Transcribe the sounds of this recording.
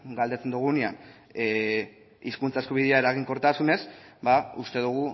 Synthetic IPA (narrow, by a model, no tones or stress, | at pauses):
ɡald̪e̞t͡se̞nd̪uɣ̞unean | iskunt͡saeskuβ̞iðeae̞ɾaɣ̞iŋko̞ɾt̪asune̞sbaust̪e̞ðuɣ̞u